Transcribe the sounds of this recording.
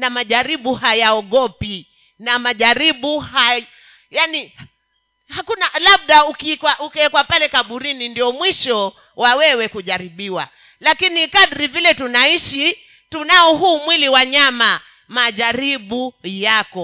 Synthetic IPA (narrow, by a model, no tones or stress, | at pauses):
namaʄaɾiɓuhajaɔɠɔpi | namaʄaɾiɓuha | jani | hakunalaɓ̚ɗaukikwaʔukɛkwapalɛkaɓuɾinindiɔmwiʃɔ | wawɛwɛkuʄaɾiɓiwa̰ | lakinikaɗɾivilɛtunaiʃi | tunaɔɦuːmwiliwaɲama | maʄaɾiɓujakɔ